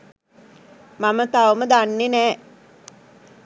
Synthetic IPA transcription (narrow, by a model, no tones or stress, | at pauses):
mamət̪aʋəməd̪anːenɛː